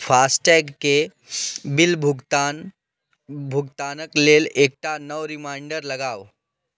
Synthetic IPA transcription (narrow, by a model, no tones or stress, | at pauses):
fasʈɛɡke | bilbʱuɡt̪ | bʱuɡt̪anəkleleːk̚ʈanəʋɾimaɪɳɖəɾlɐɡaːʋ